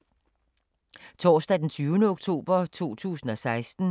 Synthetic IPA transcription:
t͡sʰɔ̰ːsd̥æd̥ent͡sʰyːʊnəoɡ̥t͡sʰo̝̰ːb̥ɐt͡sʰuo̝̰ːt͡sʰṵːsn̩ɒ̽sɑ̈ɪsd̥n̩

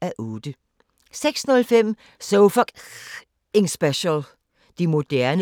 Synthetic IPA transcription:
æʔɔːd̥ə | seɡ̥snɔ̽lfem̰ | soʊfɒɡ̥ | ɪŋsb̥eɕəl | d̥imo̝d̥æɐn

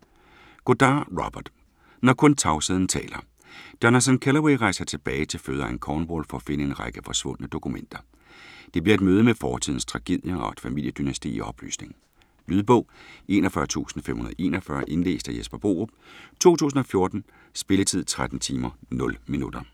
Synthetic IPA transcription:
ɡ̥od̥ɑ̈ːʁɒb̥ɐd̥ | nɒkʰɔ̽nt͡sʰɑ̈ʊsiðˠn̩t͡sʰɛ̰ːlɐ | d̥ɒnæsænkʰelɐweɪʁɑ̈ɪsɐt͡sʰe̝b̥ɛːɪt͡sʰe̝føːðˠɐæŋkʰɒːnboːlfɒ̽æfe̝nəe̝nʁɑ̈ɪɡ̥əfɒ̽sʋɔ̽n̰ənəd̥o̝kumen̰d̥ɐ | d̥e̝b̥liɐe̝d̥møːð̞ˠəmefɒːt͡sʰḭð̰ˠn̩st͡sʰʁɑ̈ɡ̥e̝ð̰ˠjɐɒd̥fæmil̰jəd̥ynæsd̥ḭːiʔɒ̽b̥ly̰ːsne̝ŋ̩ | lyːðˠb̥ɔ̽ʊe̝̰ːnɒfɶɐt͡sʰṵːsn̩fḛmhunɐðˠe̝̰ːnɐfɶɐʔe̝nle̝̰ːsd̥ɐjesb̥ɐb̥o̝̰ːob̥t͡sʰo̝̰ːt͡sʰṵːs̬n̩ɒ̽fjo̝ɐd̥n̩ | sb̥e̝lət͡sʰið̰ˠt͡sʰʁad̥n̩t͡sʰiːmɐnɔ̽lminud̥ɐ

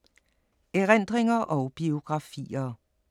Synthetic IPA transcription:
eʁen̰d̥ʁeŋɐʔɒʊb̥io̝ɡ̥ʁɑ̈fḭːɐ

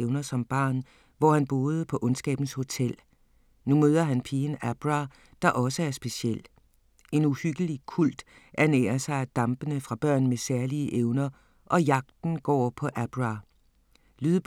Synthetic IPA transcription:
eʊnɐsɒ̽mb̥ɑ̈ːn | ʋɒhænb̥o̝ːð̞ˠəpʰɒ̽ʔɔ̽nsɡ̥ɛ̰ːb̥n̩sho̝t͡sʰel̰ | numøːð̞ˠɐɦænpʰiːən̩æb̥ʁɑ̈ | d̥ɑ̈ʔɒ̽səæɐsb̥e̝siel̰ | e̝nuhyɡ̥əlikʰul̰d̥ | ʔæɐnḛːɐsɑ̈ɪæd̥ɑ̈mb̥ənəfʁɑ̈b̥ɶɐ̰nmesæɐliəʔeʊnɐ | ʔɒ̽jɑ̈ɡ̥̚d̥n̩ɡ̥ɒ̰ːpʰɒ̽ʔæb̥ʁɑ | lyðˠb

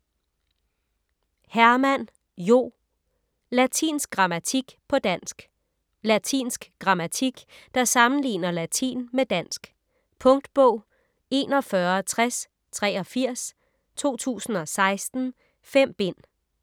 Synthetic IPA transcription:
hæɐmæn̰ | jo̝̰ː | læt͡sʰḭːnsɡ̥̚ɡ̥ʁɑ̈mæt͡sʰiɡ̥pʰɒ̽d̥æn̰sɡ̥ | læt͡sʰḭːnsɡ̥ɡ̥ʁɑ̈mæt͡sʰiɡ̥ | d̥ɑ̈sɑ̈mn̩lḭːnɐlæt͡sʰḭːnmed̥æn̰sɡ̥ | pʰɔ̽ŋd̥b̥ɔʊ̰ | e̝̰ːnɒ̽fɶɐt͡sʰʁas | t͡sʰʁɛːɒ̽fiɐ̰s | t͡sʰo̝̰ːt͡sʰṵːsn̩ɒ̽sɑ̈ɪsd̥n̩ | fem̰b̥e̝n̰

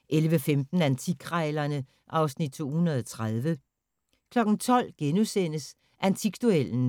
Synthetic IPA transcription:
ʔelʋəfemd̥n̩ænt͡sʰiɡ̥ʰʁɑɪlɐnə | ʔɑ̈ʊsnid̥̚t͡sʰo̝̰ːhunɐð̞ˠɒt͡sʰʁað̞ˠʋə | kʰlɒ̽ɡ̥n̩t͡sʰɒ̽l̰ɡ̥enusen̰əs | ʔænt͡sʰiɡ̥d̥uel̰n̩

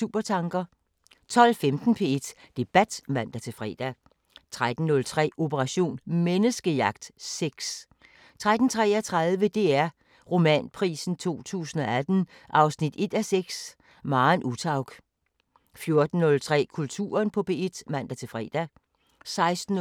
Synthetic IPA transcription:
uːb̥ɐt͡sʰɑ̈ŋɡ̥ɐ | t͡sʰɒ̽l̰femd̥n̩pʰee̝d̥d̥e̝b̥æd̥mæn̰d̥æt͡sʰe̝lfʁɛ̰ːd̥æ | t͡sʰʁad̥n̩ːɔ̽lt͡sʰʁɛ̰ːo̝pʰəʁɑ̈ɕo̝̰ːnmenəsɡ̥əjɑ̈ɡ̥d̥seɡ̥s | t͡sʰʁad̥n̩t͡sʰʁɛ̰ːɐt͡sʰʁað̞ˠʋəd̥e̝æɐ | ʁo̝mɛ̰npʰʁḭːsn̩t͡sʰo̝̰ːt͡sʰṵːsn̩ɒ̽æd̥n̩ | ʔɑ̈ʊsnid̥e̝d̥æseɡ̥s | mɑ̈ːnʔut͡sʰɑ̈ʊ̰ɡ̥ | fjo̝ɐd̥n̩ːɔ̽lt͡sʰʁɛ̰ːkʰult͡sʰṵːɐnpʰɒ̽pʰe̝ːe̝d̥mæn̰d̥æt͡sʰe̝lfʁɛ̰ːd̥æ | sɑ̈ɪsd̥n̩

